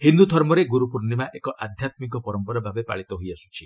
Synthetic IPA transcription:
hind̪ud̪ʱɔɾmɔɾeɡuɾupuɾnimaʔekɔʔad̪ʱjat̪mik̬ɔpɔɾɔmpɔɾɔbʱabepa̰ɭit̪ɔɦojasu̥t͡ʃʰi

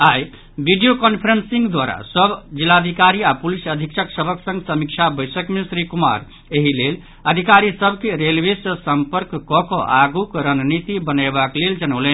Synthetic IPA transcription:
aj | biɖijokɔnpʰɾənsiŋɡd̪waɾa̰səbd͡ʒilad̪ʱikaɾiapulisəd̪ʱikt͡ʃʰəksəbʱəksə̃ŋɡsəmikt͡ʃʰabəjsəkmesɾikuma̰ɾ | eɦilel | əd̪ʱikaɾisəbʱkeɾelbesəsəmpəɾkːɔkɔʔaɡukɾənnit̪ibənabakleld͡ʒənəʊlɛn

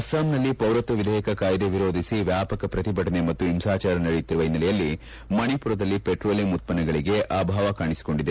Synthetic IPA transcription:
ɐsaːmnɐlːipɐwɾɐt̪ʋɐʋid̪ʱɛːjɐkɐkaːjɐd̪eʋiɾo̞ːd̪ʱisiʋjaːpɐkɐpɾɐt̪ibʱɐʈɐne̞mɐt̪ːuimsaːt͡ʃaːɾɐnɐɽit̪ːiɾuʋɐɦinːɐlɛjɐlːi | mɐɳipuɾɐd̪ɐlːipeʈɾo̞ːlimut̪̚pɐnɐɡɐɭiɡe̞ʔaːbʱaːʋɐkaːɳisi̥ko̞ɳɖid̪e

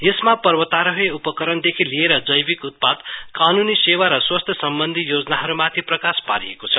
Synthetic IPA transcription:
jesmapʌrwʌt̪aɾʌɦeupʌkʌɾʌnd̪ekʰilieɾʌd͡zʌjbikut̪̚pad̪kanunisewaɾʌswʌst̪ʰjʌsʌmbʌnd̪ʱijod͡zʌnaɦʌɾumat̪ʰiprʌkaspa̰ɾijḛkot͡sʰʌ

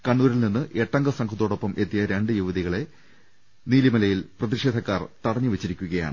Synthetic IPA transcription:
kɐɳːuːɾilninːɨʔe̞ʈːɐŋɡɐsɐŋkʰɐt̪ːoːɽo̞pːɐmʔe̞t̪ːijɐɾeɳɖɨjuʋɐðiɣɐɭe̞ | niːlimɐlɐjilprɐðiʂeːd̪ʱɐkːaːrt̪ɐɽɐɲːɨʋet͡ɕːiɾikʲːuɣɐja̰ːɳɨ

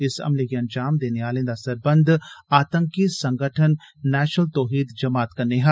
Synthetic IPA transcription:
ɪsɐ̰mlekiɐ̃nd͡ʒaːmd̪eːneaːlẽd̪asɐɾbɐ̃nd̪ʱaːt̪ə̃ŋkisɐ̃ŋɡʱəʈʰənːɛːʃnəlt̪ɔːɦiːd̪d͡ʒɐmaːt̪kɐɾneɦa

